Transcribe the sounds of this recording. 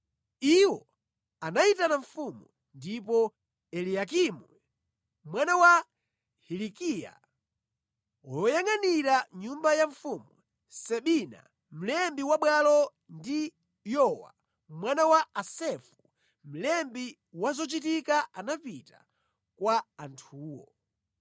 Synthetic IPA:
iwɔ | anaitanaɱfumu | ndipɔ | ɛlijakimu | mwanawa | hilikija̰ | wɔjɔjaŋaniɾaɲumbajaɱfumu | sɛɓina̰ | m̩lɛmbiwaɓwalɔ | ndi | jɔwa̰ | mwanawaːsɛfu | m̩lɛmbi | wazɔt͡ʃit̬ikaanapita | kwaantʰuːwɔ̰

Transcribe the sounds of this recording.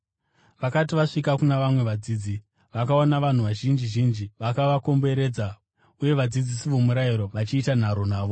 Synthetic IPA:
ʋakatiʋaʂik̬akunaʋamwe̞ʋad͡ziːd͡zi | ʋakaonaʋan̤uʋaʒind͡ʒiʒind͡ʒiʋakaʋako̞mbe̞ɾe̞ːd͡za | uje̞ʋad͡zid͡zisiʋomuɾaiɾo̞ʋat͡ʃiːtan̤aɾo̞naːʋo̞

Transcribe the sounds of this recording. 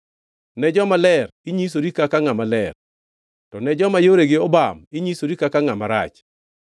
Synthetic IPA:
nɛd͡ʒɔmalɛrɪɲis̬oɾikakaŋamalɛr | tɔnɛd͡ʒɔmajoɾeɡɪɔbamɪɲisoɾikakaŋamaɾa̰t͡ʃ

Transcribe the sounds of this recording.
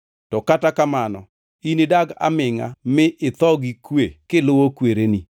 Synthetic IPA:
tɔkatakamanɔ̰ | inidaɡa̰mɪŋamɪʔɪt̪ɔɡikwekɪlʊwokweɾeni

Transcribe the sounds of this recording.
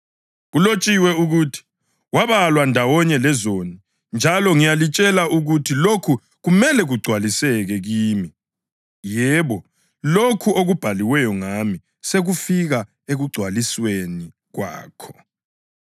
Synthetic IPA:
ɣulot͡ʃʼiwɛuɣuːtʰi̥ | waβalwandʱawɔɲɛlɛzoni | nd͡ʒʱalɔŋijalit͡ʃʼɛlaʔuɣutʰilokʰu | ɣumɛlɛɣuɡ͡ǀʱwalisɛɣɛɣiːmi | jɛβɔ | lokʰuoɣub̥ʱaliwɛjɔŋami | seɣufiɣa | eɣuɡ͡ǀʱwalisweni | ɣwa̰ːkʰɔ̥

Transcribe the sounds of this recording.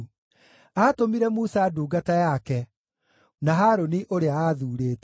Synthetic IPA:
atomiɾɛmusaduːɡatajakɛ | naɦaɾoniʔoɾeaaðuːɾeːtɛ

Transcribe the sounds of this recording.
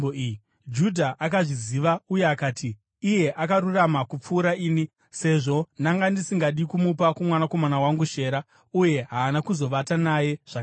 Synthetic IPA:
oii | d͡ʒudʱaʔakaʐiziʋaujeakaːtiː | je̞ʔakaɾuramakup͡fuːɾaiːni | se̞ʐo̞naŋɡandisiŋɡaɗikumupakumwanako̞manawaŋɡuʃe̞ːɾa | uje̞ɦaːnakuzo̞ʋatanaje̞ʐ̥ak

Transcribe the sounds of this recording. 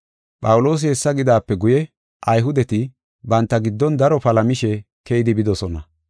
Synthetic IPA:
pʼɐwlo̞ːs̬ɪhɛsːɐɡɪd̪aːpːɛɡʊjɛ | ʔɐjɦʊd̪ɛt̪ɪ | bɐnt̪ːɐɡɪd̪ːɔnd̪ɐɾɔpɐlɐmɪʃɛ | kɛjɪd̪ɪbɪd̪ɔsɔnɐ

